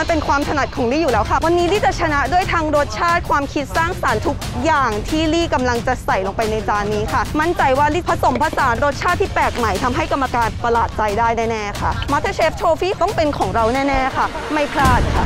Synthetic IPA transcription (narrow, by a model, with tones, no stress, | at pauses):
a˧npe˧nkʰwaː˧mt̪ʰa˧na˨˩t̪̚kʰɔː˨˩˦ŋliː˥˩juː˨˩lɛː˦˥wkʰa˥˩wa˧nːiː˦˥liː˥˩t͡ɕa˨˩t͡ɕʰa˧na˦˥du˥˩əjt̪ʰaː˧ŋɾoː˦˥t̪̚t͡ɕʰaː˥˩t̪̚kʰwaː˧mkʰi˦˥t̪̚saː˥˩ŋsaː˩˦nt̪ʰu˦˥k̚jaː˨˩ŋt̪ʰiː˥˩liː˥˩ka˧mla˧ŋt͡ɕa˨˩sa˨˩jlo˧˩ŋpa˧jna˧jt͡ɕaː˧nːiː˦˥kʰa˥˩ma˦˥nt͡ɕa˧jwaː˥˩liː˥˩pʰa˧so˩˦mpʰa˦˧˥saː˩˦nɾo˦˥t̪̚t͡ɕʰaː˥˩t̪ʰːiː˥˩pɛː˨˩k̚ma˨˩jt̪ʰa˧mɦa˥˩jka˧mːa˧kaː˧npa˧laː˨˩t̪̚t͡ɕa˧jdaː˥˩jnɛː˥˩nɛː˥˩kʰa˥˩maː˦˥t̪ʰːa˧˥t͡ɕʰeː˦˥ft͡ɕʰoː˧fiː˥˩t̪ɔ˥˩ŋpe˧nkʰɔː˩˦ŋɾa˧wnɛː˥˩nɛː˥˩kʰa˥˩ | ma˥˩jpʰlaː˥˩t̪̚kʰa˥˩